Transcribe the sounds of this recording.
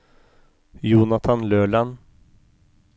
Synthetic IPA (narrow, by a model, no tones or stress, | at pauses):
juːnat̪ʰanløːɭan